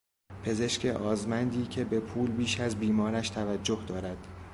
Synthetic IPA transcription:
pʰe̞ze̞ʃcʰeʔɒːzmænd̪iːcʰe̞be̞pʰuːlbiːʃæzbiːmɒːɾæʃt̪ʰævæd͡ʒːohd̪ɒːɾæd̪̥

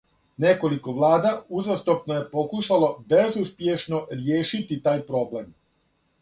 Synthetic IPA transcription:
ne̞ko̞liko̞ʋlˠaːd̪auzast̪opnoje̞po̞kuʃalo̞be̞zuspjeʃno̞ɾjeːʃit̪it̪aːjpɾo̞ble̞m

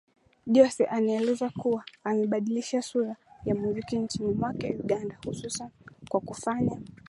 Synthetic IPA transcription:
ɗiɔsɛʔanaɛlɛzakuwaːmɛɓaɗiliʃasuɾajamuzikint͡ʃinimwakaja̰uɠandahususankwakufaɲa

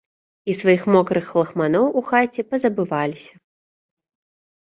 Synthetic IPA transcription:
isvajixmɔkɾɨxlˠɐxmanɔwʔuxat͡sʲɛpɐzɐbɨvalʲisʲɐ

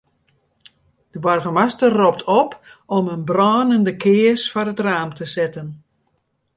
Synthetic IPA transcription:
d̥əbɔrɣəmastərːɔp̚tʰɔpɔmənbrɔːnəndəkʰɪəsfɔrətraːmtʰəsɪtən

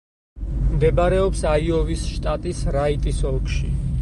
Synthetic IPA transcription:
md̪ɛbaɾɛɔpsaiɔvisʃt̪ʼat̪ʼisɾait̪ʼisɔlˠkʰʼʃi

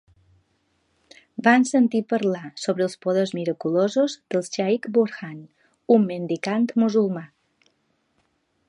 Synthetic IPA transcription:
bansənt̪ipəɾlasoβɾəːlˠspoðezmiɾəkulozozd̪əlˠt͡ʃajkbuɾxan | umːənd̪ikant̪muzulˠma

